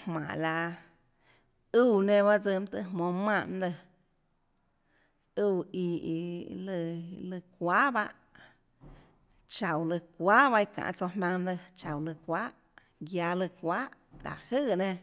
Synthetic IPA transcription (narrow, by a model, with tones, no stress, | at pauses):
hmã̰˨ʔla˧ | uː˦˧nẽ˧ba˦ʔd͡zə˧m˦t̪ɨ˧ɦmõ˧mã˧˨ʔnd̪ə˧ | u˧i˧i˧lɨ˧lɨ˧kʷa˦ba˦˧ʔ | t͡ʃa˨wlɨ˧kʷaː˦ba˧i˧kã̰˨ʔt͡so˧mã˧nd̪ə˧t͡ʃa˨wlɨ˧kʷaː˦ʔ | ɡja˧lɨ˧kʷaː˦ʔ | la̰˨hɨ˦˧˨nẽ˧